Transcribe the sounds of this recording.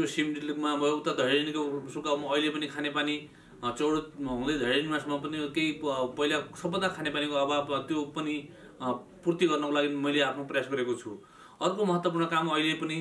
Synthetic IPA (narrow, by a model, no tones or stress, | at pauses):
tjosimɖilikmamʌʌwt̪ad̪ʱʌjinikosukabmʌːjlepʌnikʰanepani | t͡sʌwɽoʌ̃ŋled̪ʱʌjnimasʌmʌpʌnik̪ejpʌilasʌbːʌnd̪akʰanepanikoababt̪jopʌni | purt̪iɡʌrnʌkolaɡimʌjleapʰnoprʌjasɡʌɾekot͡sʰu | ʌrkomʌɦʌt̪wʌp̬urnʌkamːʌjlepʌni